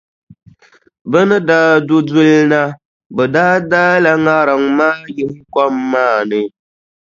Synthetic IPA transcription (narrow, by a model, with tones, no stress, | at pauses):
bə˦nɨ˦daː˦dʊ˦du˦lna˦ | bɛ˨daː˦daː˦la˦ŋa˦ɾa˨ŋmaː˦jɪ˦ŋ˦kɔ˦mːaː˦˨nɨ˨